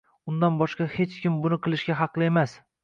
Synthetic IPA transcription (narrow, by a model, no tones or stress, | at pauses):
ʊnd̪anbɒʃqɑhe̞t͡ʃkʲɪmbʊnɪqʰɨlˠɪʃɡʲaɦɑqlˠɪe̞mas